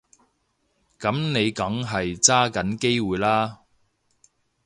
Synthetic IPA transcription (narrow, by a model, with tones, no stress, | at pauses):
kɐ˨˥mne˨˧jkɐ˨˥ŋɦɐ˨jt͡saː˥kɐ˨˥nke˥jwuː˨jlaː˥